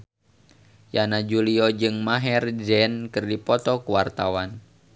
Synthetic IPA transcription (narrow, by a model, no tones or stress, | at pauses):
janad͡ʒuliɔd͡ʒɨŋmaɦɛrd͡ʒɛnkɨrdipɔt̪ɔkuwart̪awan